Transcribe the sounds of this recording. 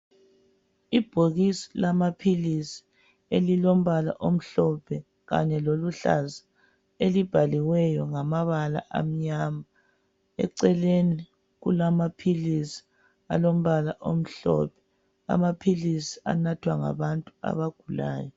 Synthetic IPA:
ib̥ʱoɣisi̥lamapʰilisi̥ | elilom̩βala̰ʔom̩ɬɔpʰɛ | ɣa̰ɲɛloluɬa̰zḁ | elib̥ʱaliwɛjɔŋamaβala̰ʔa̰m̩ɲama | ɛ̰ǀɛleni | ɣulamapʰilisi̥ | alom̩βalaʔom̩ɬɔ̰pʰɛ̥ | a̰mapʰilisi̥a̰natʰwaŋa̰βantʼua̰βaɡ̥ʱula̰ːjɔ

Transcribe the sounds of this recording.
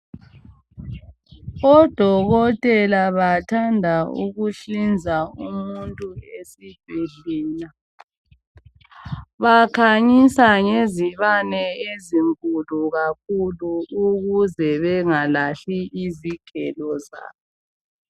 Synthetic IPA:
ɔd̥ʱɔɣɔtʼɛlaβatʰandʱaṵɣuɬind͡zʱaumuntʼuesib̥ʱiɮiːla | βakʰaɲisaŋeziβanɛeziŋkʼuluɣakʰuluuɣuzɛβɛŋalaɬiʔiziɡ̥ʱɛ̰lɔza̰ːβɔ

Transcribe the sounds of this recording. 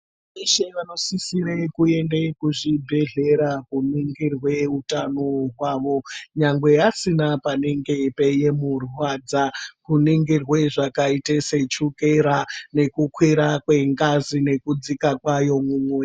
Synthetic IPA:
eʃeʋano̞sisiɾekue̞ndekuʐibʱe̞ɮe̞ɾakuniŋɡirwe̞utanoɦwaːʋo̞ɲaŋɡwe̞asinapaneŋɡe̞pe̞je̞murwad͡zakuniŋɡirweʐakaitese̞t͡ʃukeɾane̞kukwiɾakwe̞ŋɡazine̞kud͡zikakwajo̞muːmwe

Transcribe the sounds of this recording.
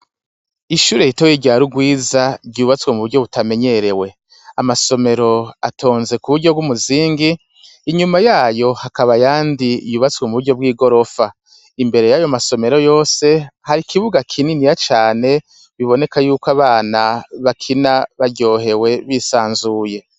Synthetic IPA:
iʃuːɾe̞jitojiɟaɾuɡwiːzaɾɟuːβat͡swemuβuɾɟo̞βutame̞ɲeɾe̞we̞ | amaso̞me̞ɾo̞atʰo̞ːnze̞kuβuɾɟobɡumuziːŋɡiː | ɲumajaːjo̞hakaβajaːndijuːβat͡swemuβuɾɟo̞b̚ɡiːɡo̞ɾo̞fa | imbe̞ɾe̞jajo̞maso̞me̞ɾo̞jo̞ːse̞haɾikʰiβuɡakʰininijat͡ʃaːne̞ | βiβo̞ne̞kajuːkaβaːnaβakʰinaβaɾɟo̞ːɦe̞we̞βisaːnzuːje̞

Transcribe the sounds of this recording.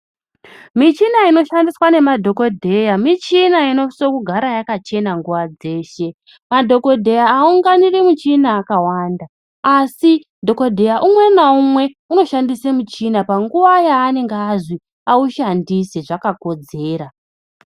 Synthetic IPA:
mit͡ʃinaino̞ʃandiswane̞madʱo̞ko̞dʱe̞jamit͡ʃinaino̞iso̞kuɡʱaɾajakat͡ʃe̞naŋɡuʋad͡ze̞ːʃe̞ | madʱo̞ko̞dʱe̞jaːuŋɡaniremut͡ʃinaːkawaːndaː | si | dʱo̞ko̞dʱe̞jaʔumwe̞naumwe̞ | uno̞ʃandisemut͡ʃinapaŋɡuʋajaːne̞ŋɡeːʐi | auʃandiseʐakako̞d͡ze̞ːɾa

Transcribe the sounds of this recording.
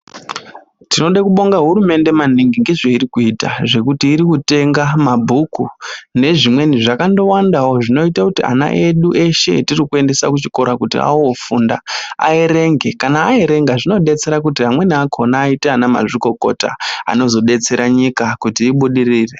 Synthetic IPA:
tino̞ɗakuɓo̞ŋɡaɦuɾume̞nde̞man̤iŋɡiŋɡeʐeiɾikuita̰ʐe̞kutiːɾikute̞ŋɡamabʱukune̞ʐimwe̞niʐakando̞wandawoʐino̞itakutia̰na̰ʔe̞ɗuʔe̞ʃe̞̰tirikue̞nde̞sakut͡ʃiko̞ɾakutḭa̰oofuːndaa̰eɾe̞ŋɡe̞kanaːeɾe̞ŋɡaʐino̞ɗe̞t͡se̞ɾak̬utiɦamwe̞niakʰo̞naːiteanama̰ʐiko̞ko̞̰ta̰a̰no̞zo̞ɗe̞t͡se̞ɾaɲikakutiːɓuɗiriːre

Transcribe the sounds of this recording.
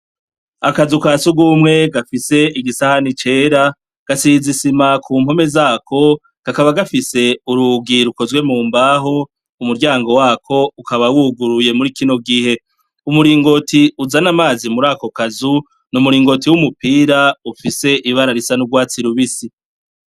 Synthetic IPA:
akazukaːsuɡumŋe̞ɡafise̞iɡisahanit͡ʃe̞ːɾa | ɡ̥asizisimakʰuːm̥ho̞me̞zaːkʰo̞ | ɡ̥akaβaɡafise̞uɾuɡiɾuko̞zwe̞muːmbaɦo̞ | umuɾɟaːŋɡo̞waːkʰo̞ukaβawuɡuɾuje̞muɾikino̞ɡihe̞ | umuɾiːŋɡo̞tiuzanamaːzimuɾaːko̞kazu | numuɾiːŋɡo̞tiwumupiːɾaufise̞ʔiβaɾaɾisanuɡwaːt͡siɾuβisi

